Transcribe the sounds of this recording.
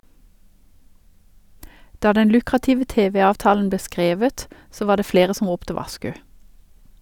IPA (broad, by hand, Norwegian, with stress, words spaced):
ˈdɑː ˈdɛn ˈlʉkʁɑtɪʋə ˈteːʋɛ ˈɑːʋtɑːln̩ ˈbleː ˈskʁeːʋət ˈsoː ˈʋɑː ˈdeː ˈfɽeːʁə ˈsɔm ˈʁuːptə ˈʋɑʃkʉ